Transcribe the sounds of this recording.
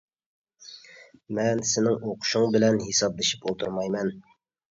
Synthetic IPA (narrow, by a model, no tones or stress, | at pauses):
mɛnsɪnɪŋoqʰʊ̥ʃʊŋbɪlɛnɦisɑb̚lɪʃɪpolˠt̪ʰuɾmɑjmɛn